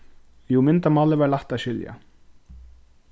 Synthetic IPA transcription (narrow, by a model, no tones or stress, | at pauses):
jumɪnt̪amaːlɪvaɾlaht̪aðɕʏlja̰